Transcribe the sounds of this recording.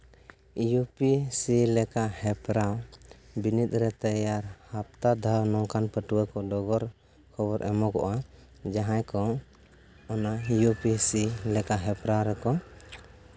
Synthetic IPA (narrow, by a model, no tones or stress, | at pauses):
jupisilɛkahɛpɾawbinit̪̚ɾɛt̪əjaɾhap̚t̪ad̪ʱawnɔŋkanpəʈuwəkɔɖɔɡɔɾ | kʰɔbɔɾʔɛmɔkɔ̰ʔa | d͡ʒaɦajkɔ | ɔnajupisilɛkaɦɛpɾawɾɛkɔ